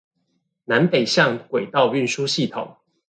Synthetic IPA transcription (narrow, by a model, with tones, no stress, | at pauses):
na˨˦npe˨˩ɪɕjɑ˥˨ŋkwe˨˩ɪt̪ɑ˥˨ʊy˥˨nʂu˦ɕi˥˨t̪ʰo˨˩˦ŋ